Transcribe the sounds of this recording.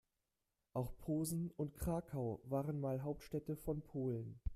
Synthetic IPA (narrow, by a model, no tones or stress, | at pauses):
ʔaʊxpʰoːzn̩ʊntkʁ̥aːkʰaʊvaːʁənmaːlɦaʊp̚tʃtɛtəfɔnpʰoːlən